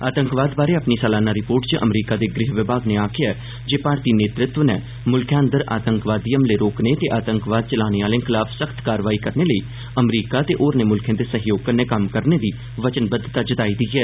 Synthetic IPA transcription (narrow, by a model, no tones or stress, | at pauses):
aːt̪əŋkʋaːd̪baːɾeːapniːsaːlaːnaːɾɪpoːɾʈt͡ʃʔə̰mɾiːkaːd̪eːɡɾɪɦʋɪbaːɡneːaːkʰɪjaɛː | d͡ʒeːpaːɾt̪iːneːt̪ɾɪt̪ʋənɛː | mʊlkʰjãːnd̪əɾa̰ːt̪əŋkʋaːd̪iːəmleːɾoːkneːt̪eːʔaːt̪əŋkʋaːd̪̚t͡ʃəlaːneːaːlẽːkʰɪlaːfsəkʰt̪kaːɾʋaːiːkəɾneːləiː | əmɾiːkaːt̪eːʔoːɾneːmʊlkʰjẽːd̪eːsəɦjoːɡ̚kənɛ̃ːkəmkəɾneːd̪iː | ʋət͡ʃənbəd̪ːt̪aːd͡ʒət̪aːiːd̪iːɛː